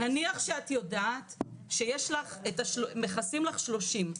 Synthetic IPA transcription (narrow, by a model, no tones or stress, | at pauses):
aniaχʃeatjo̞daːtʃejeʃlaχetaʃomeχasimlaχʃlo̞ʃim